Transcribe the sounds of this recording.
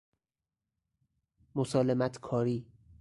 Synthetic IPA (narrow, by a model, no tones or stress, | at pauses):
mosɒːlemæt̪ʰkʰɒːɾiː